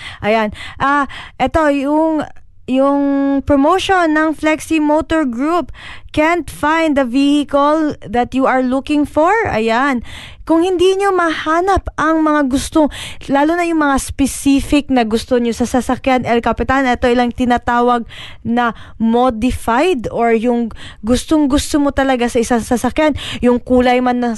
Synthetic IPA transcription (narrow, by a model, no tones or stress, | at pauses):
ʔɐjanʔaʔɛt̪o̞jʊŋ | jʊŋpɹomowʃonːɐŋflɛksimowt̪oɹɡɹupkɛnt̪fajnd̪ɐvihɪkɐlðɐt̪juʔɐɹlukɪŋfoɹɐ̰jan | kʊŋhɪnd̪iɲomɐhaːnɐpʔɐŋmɐŋaɡʊst̪olaːlʊnɐjʊŋmɐŋaspɛsiːfɪk̚nɐɡʊst̪o̞ɲosɐsɐsɐkjanɛlkɐpɪt̪anʔɛt̪o̞ɪlaŋt̪ɪnat̪aːwɐɡ̚ | nɐ | mod̪ɪfajd̪oɹjʊŋɡʊst̪oŋɡʊst̪omo̞t̪ɐlɐɡasɐɪsaŋsɐsɐkjanjʊŋkuːlɐjmanːɐ